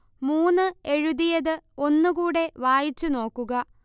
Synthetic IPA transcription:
muːnːɨe̞ɻuðijɐðɨo̞nːɨkuːɽe̞ʋaːjit͡ɕːuno̞ːkːuɣɐ

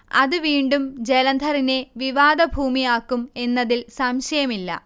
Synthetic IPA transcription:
ɐðuʋiːɳɖumd͡ʑelɐnd̪ʱɐɾine̞ʋiʋaːd̪ɐbʱuːmijaːkːume̞nːɐðilsɐmɕɐjɐmilːɐ̰

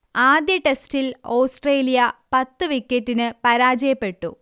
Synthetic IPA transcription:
aːd̪jɐʈestiloːsʈreːlijɐpɐt̪ːɨʋikːetːinɨpɐɾaːd͡ʑɐjɐpːe̞ʈːṵ

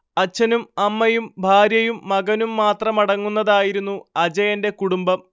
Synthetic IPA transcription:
ɐt͡ɕːɐnumɐmːɐjumbʱaːɾjɐjumːɐɡɐnumːaːt̪rɐmɐɽɐŋːunːɐðaːjiɾunːuɐd͡ʑɐjɐnde̞kuɽumbɐm

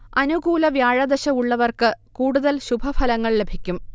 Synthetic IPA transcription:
ɐnuɡuːlɐʋjaːɻɐd̪ɐɕɐmuɭːɐʋɐrkɨkuːɽuðɐlɕubʱɐfʰɐlɐŋːɐɭle̞bʱikʲːum

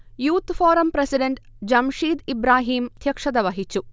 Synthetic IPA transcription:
juːt̪foːɾɐmpɾesiɖeɳʈ | d͡ʑɐmʂiːd̪ibɾaːɦiːmd̪ʱjɐkʂɐd̪ɐʋɐɦit͡ʃːu

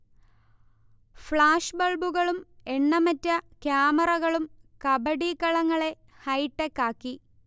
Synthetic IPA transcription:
fɭaːʂbɐɭbuɣɐɭume̞ɳːɐmɐtːɐkjaːmɐrɐɣɐɭumkɐbɐɽikɐɭɐŋːɐɭe̞ | hɐjʈːekːaːkːi

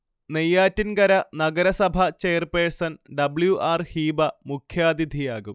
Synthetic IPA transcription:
nejːaːtːinɡɐɾɐnɐɡɐɾɐsɐbʱɐt͡ɕejɐrpeːsɐnɖɐbɭjuʔaːrhiːbɐmukʰjaːd̪id̪ʱijaːɣum

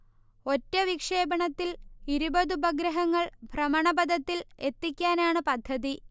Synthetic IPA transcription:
o̞tːɐʋikʂe̞ːbɐɳɐt̪ːiliɾubɐðubɐɡɾɐɦɐŋːɐɭbʱrɐmɐɳɐbɐd̪ʱɐt̪ːile̞t̪ːikʲːaːnaːɳɨpɐd̪ʱːɐði

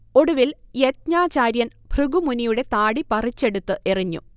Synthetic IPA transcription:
o̞ɽuʋiljet̪̚ɲaːt͡ɕaːɾjɐnb̥ʱrɨɡumunijuɽe̞t̪aːɽipɐrit͡ɕːe̞ɽut̪ːɨʔeriɲːṵ

